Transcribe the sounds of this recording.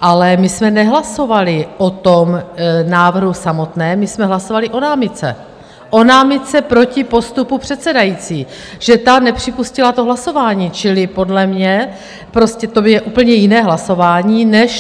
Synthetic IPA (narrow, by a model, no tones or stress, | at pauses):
ʔalɛmɪsmɛnɛɦlaso̞valɪʔot̪omnaːvr̩ɦusamo̞t̪nɛːmɪsmɛɦlaso̞valɪʔo̞naːmɪt͡sɛ̰ | ʔo̞naːmɪt͡sɛpɾo̞cɪpo̞st̪upupr̝̥ɛt̪sɛdajiːt͡siː | ʒ̥ɛt̪anɛpr̝̥ɪpuscɪlat̪o̞ɦlaso̞vaːɲiːt͡ʃɪlɪpo̞dlɛmɲɛ | pɾo̞scɛt̪objɛʔuːp̩ɲɛjɪnɛːɦlaso̞vaːɲiːnɛʃ